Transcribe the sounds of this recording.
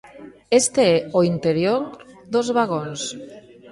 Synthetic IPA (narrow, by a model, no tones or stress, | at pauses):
est̪eeoint̪eɾjoɾd̪ozβaɣons